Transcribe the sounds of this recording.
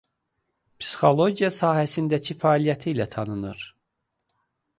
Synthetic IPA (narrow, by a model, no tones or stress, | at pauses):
psi̥xo̞lˠo̞ɟijɑsɑːhæsind̪æcʰifæːlijæt̪ʰiːlæt̪ʰɑnɯnɯɾ̥